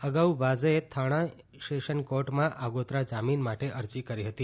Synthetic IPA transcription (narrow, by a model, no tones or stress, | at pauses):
əɡaubazet̪ʰaɽ̃ã | ʃeʃənkoʈmãʔʔaɡot̪ɾad͡ʒaminmaʈeʔəɾd͡ʒikəɾiɦət̪i